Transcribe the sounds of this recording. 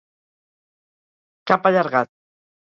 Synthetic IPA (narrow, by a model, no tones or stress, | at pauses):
kapaʎɑɾɢɑ